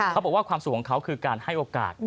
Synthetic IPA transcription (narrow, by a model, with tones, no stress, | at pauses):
kʰa˦˥bɔ˨˩k̚wːkʰwaː˧msu˨˩kʰːɔ˨˦ŋkʰa˦˥wkʰɯː˧kaː˧nha˥˩jʔoː˧ka̰ː˨˩t̪̚